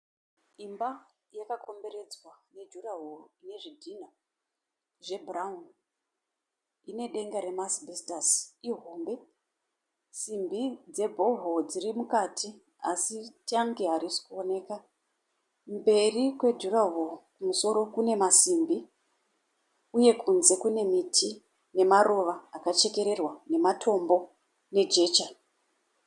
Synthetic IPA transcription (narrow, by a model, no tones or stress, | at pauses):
imba | jakakʰo̞mbe̞ɾe̞d͡zwane̞d͡ʒuraɦoine̞ʐidʱina | ʐe̞bʱuraun | ine̞ɗe̞ŋɡaɾe̞masbʱistasiɦo̞ːmbe̞ | simbid͡ze̞bʱo̞ɦod͡zirimukatʰi | asitiaŋɡe̞ɦaɾisi̥kuone̞ka | mbe̞rikwe̞dʱuraʋokumuso̞ɾo̞kune̞masimbi | uje̞kʰunze̞kune̞mitʰi | ne̞maɾo̞ʋaːkat͡ʃe̞ke̞ɾe̞rwane̞matʰo̞mbo̞ | ne̞d͡ʒe̞ːt͡ʃa